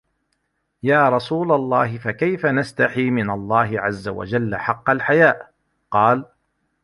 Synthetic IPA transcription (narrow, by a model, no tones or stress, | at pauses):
jaːɾˤɑsuːlalˤːɑːɦɪfakajfanast̪aħiːmɪnalˤːɑːɦɪʕazːa̰wa̰d͡ʒalːaħɑqːɑlħajaːʔ | qɑːl